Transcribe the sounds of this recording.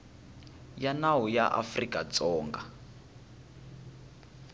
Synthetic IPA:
janawujaʔa̰frikʼat͡sɔːŋɡa

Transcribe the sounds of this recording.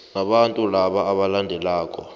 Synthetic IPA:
naɓantʼulaɓaːɓalandʱɛlaːkʼɔ

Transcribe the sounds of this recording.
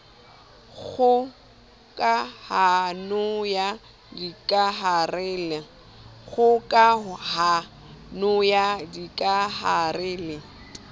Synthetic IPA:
ɣʊ | kʼahanʊja | dikʼaɦarɛːlɪ | ɣʊkʼaha | nʊjadikʼaharɪːlɪ

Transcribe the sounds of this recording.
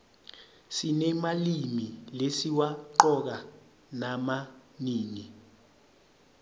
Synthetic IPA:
sinɛmalimilesiwaǃɔk̬a | namaniːni

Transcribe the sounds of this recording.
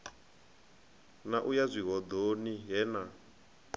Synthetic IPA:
naʔujazʷiɦɔd̪oniɦɛna

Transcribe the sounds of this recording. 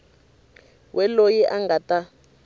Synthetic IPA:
wʔɛlojiʔaŋɡata

